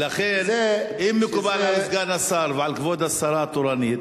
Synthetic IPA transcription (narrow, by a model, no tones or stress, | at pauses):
laχenimːekubalalisɡanasaɾveʕalkvod̪asaɾat̪oɾanit̪